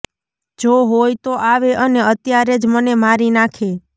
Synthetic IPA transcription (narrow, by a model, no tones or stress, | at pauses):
d͡ʒoɦojt̪oʔaʋeʔəneət̪jaɾed͡ʒmənemaɾinakʰe